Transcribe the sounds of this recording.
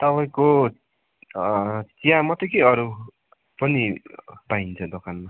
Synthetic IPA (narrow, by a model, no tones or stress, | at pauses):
t̪ʌpaĩko | t͡sijãmʌt̪ekeʌɾu | pʌnipaint͡sʰʌd̪okʰanma